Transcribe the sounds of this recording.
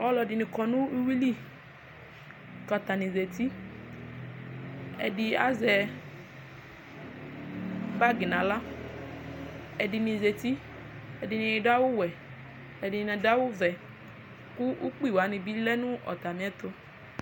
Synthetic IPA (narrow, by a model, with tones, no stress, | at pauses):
ɔ˦lɔ˨dɪ˨nɪ̃˨kɔ˨nũ˦u˦wi˦li˦ | ka˨t̪a˨nĩ˨ze˨t̪i˦ | ɛ̰˨dɪ˨a̰˦zɛ˨ | ɡ͡ba˦ɡi˨nã˨la˦ | ɛ˨dɪ˨mĩ˨ze˨t̪i˦ | ɛ˨dɪ˨nĩ˨da˦wʊ˦wɛ˨ | ɛ˨dɪ˨nɛ̃˨da˦wʊ˦vɛ˨ | kʊ˦ʔu˦k͡pi˦˨wa˨˦nɪ̃˨bi˦lɛ˦nũ˦ɔ̰˨t̪a˨mĩ˨ɛ˦t̪o˦